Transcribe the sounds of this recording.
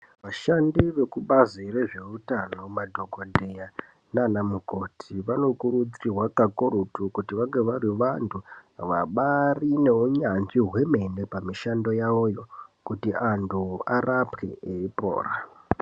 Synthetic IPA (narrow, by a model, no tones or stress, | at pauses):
ʋaʃandiʋe̞kuɓazire̞ʐe̞utano̞madʱo̞ɡʱodʱeja | nanamuko̞tʰiʋano̞kurud͡zirwakakoɾutukutiʋaŋɡeʋaɾiʋantʰuaʋaɓarine̞uɲanʐiɦwe̞me̞ne̞pamiʃando̞jao̞jo̞kutiantʰuaɾapke̞̰eipo̰ːra